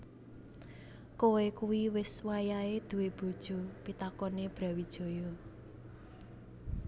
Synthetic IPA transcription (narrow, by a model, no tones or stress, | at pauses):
kowekuwiwɪswajaed̪̥ṳweb̥o̤d̥ʒ̥ṳpit̪akɔneb̥ɾä̤wid̥ʒ̥o̤jɔ